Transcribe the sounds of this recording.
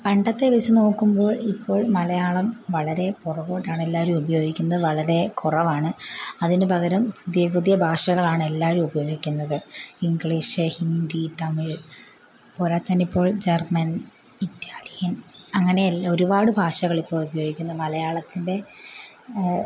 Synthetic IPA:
pɐɳɖɐt̪ːe̞ʋet͡ɕːɨno̞ːkːumbo̞ːɭipːo̞ːɭmɐlɐjaːɭɐmʋɐɭɐɾe̞purɐʋo̞ːʈːaːɳe̞lːaːʋoɾumubɐjo̞ːɡikʲːunːɐðɨʋɐɭɐɾe̞kurɐʋaːɳɨɐðinɨbɐɣɐɾɐmpuðjɐpuðjɐbʱaːʂɐɣɐɭaːɳe̞lːaːʋoɾumubɐjo̞ːɡikʲːunːɐðɨiŋɡɭiːʂɨhind̪it̪ɐmiɭ | poːɾaːt̪ːɐnipːo̞ːɭd͡ʑermɐn | itːaːlijɐnɐŋːɐneɐlo̞ɾubaːɽɨbʱaːʂɐɣɐɭipːoːɭubɐjoːɡikʲːunːɐðɨmɐlɐjaːɭɐt̪ːinde̞

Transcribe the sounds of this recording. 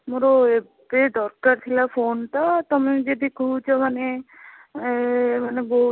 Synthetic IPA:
moɾoe | bed̪ɔɾkaɾt̪ʰilapʰonʈ̪at̪ɔmed͡ʒed̪ikʰuːt͡ʃʰɔmane | manebɔɦu

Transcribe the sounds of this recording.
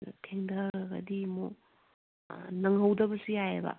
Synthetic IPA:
tʰeŋdɐɡɡɐ̰dimo | nɐŋɦɐwdɐbɐsiajebɐ̰

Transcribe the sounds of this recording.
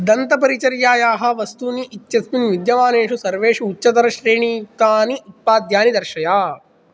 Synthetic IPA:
d̪ɐnt̪ɐpɐɾit͡ʃɐɾjaːjaːɦɐ̆ʋɐst̪uːniʔːt͡ʃːt͡ʃɐsminʋid̪jɐʋaːneːʂusɐɾʋeːʂuut͡ʃːt͡ʃɐt̪ɐɾɐʃɾeːɳiːk̪aːniʔut̪̚paːd̪jaːnid̪ɐɾʃɐjaː

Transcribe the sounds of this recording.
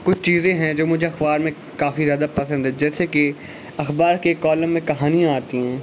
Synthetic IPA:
kʊt͡ʃʰt͡ʃiːzẽɦɛ̃d͡ʒoːmʊd͡ʒʱeɐxbaːɾmẽ | kaːfizjaːd̪apəsə̃nd̪ɦɛ̃d͡ʒɛːseke | ɐxbaːɾkekɔːləmːẽkɐɦaːniãaːt̪iɦɛ̃ː

